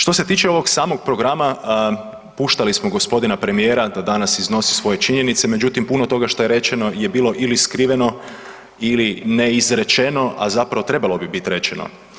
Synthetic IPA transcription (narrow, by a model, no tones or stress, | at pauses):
ʃt̪o̞se̞t̪iːt͡ʃe̞o̞ʋo̞ɡsaːmo̞ɡ̚pɾo̞ɡɾama | puʃt̪alismoɡo̞spo̞d̪inapɾe̞mije̞ːɾad̪ad̪anasizno̞si̥sʋo̞je̞t͡ʃiɲe̞nit̪se̞me̞d͡ʑut̪impuno̞t̪o̞ɡaʃt̪o̞je̞ɾe̞t͡ʃe̞no̞je̞biːlˠo̞ʔiliskɾiʋe̞no̞ | ilineizɾe̞t͡ʃe̞no̞ʔa̰zapɾaʋo̞t̪ɾe̞balˠo̞bibit̪iɾe̞t͡ʃeno̰